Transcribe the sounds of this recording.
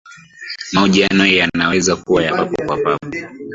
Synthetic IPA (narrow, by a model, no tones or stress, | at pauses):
mauʄianɔjanawɛzakuwajapapɔkwapapɔ